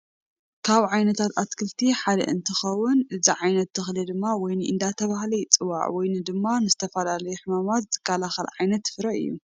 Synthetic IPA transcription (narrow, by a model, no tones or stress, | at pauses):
kʰaβʕajnɐt̪ʰat̪at̪kʰɨlt̪ʰiħad̪ɐ̰ʔɨnt̪ʰɨxɐwːʊnʔɨziʕajnɐt̪ʰːɨxlid̪ɨmːawɔjnɨʔɨnd̪at̪ʰɐβahlɐjt͡sʼɨwa̰ʕwɔjnɨd̪ɨmːanɨzɨt̪ʰɐfɐlalɐjuħɨmamat̪z̥ɨ̥kʰːalaxɐlʕajnɐt̪ːfɨɾɐʔɨ̰jːṵ